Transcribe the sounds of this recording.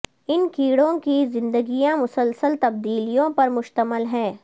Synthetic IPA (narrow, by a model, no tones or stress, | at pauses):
ɪnkiːɽõkizɪ̃nd̪əɡijãmʊsəlsəlt̪ɐb̚d̪iːlijõpɐɾmʊʃt̪əməlɦɛ̃ː